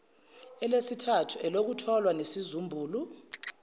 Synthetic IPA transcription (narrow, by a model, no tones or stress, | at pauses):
ɛlesitʰatʰuɛlok̬utʰɔlwanesizumbʱuːlu